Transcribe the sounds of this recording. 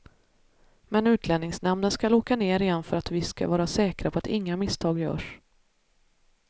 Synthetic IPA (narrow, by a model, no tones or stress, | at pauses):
mɛnʉ̟ːt̪ʰlɛnɪŋsnɛmnənskaloːkaneːɾɪːanfœɾat̪vɪska̰vɑːɾasɛːkɾapʰɔat̪ɪŋːamɪst̪ʰɑːɡjœ̰ːʂ